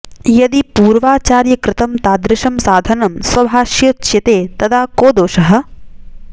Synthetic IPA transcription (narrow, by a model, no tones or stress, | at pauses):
jɐd̪ipuːɾʋaːt͡ʃaːɾjɐkɾɪt̪ɐmt̪aːd̪ɾɪʃɐmsaːd̪ʱɐnɐmsʋɐbʱaːʃjɐt͡ʃjɐt̪eːt̪ɐt̪ʰaːkoːd̪oːʃɐɦɐ̆